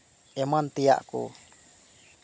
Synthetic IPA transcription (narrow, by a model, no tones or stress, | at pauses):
ʔɛmant̪ija̰ʔkṵ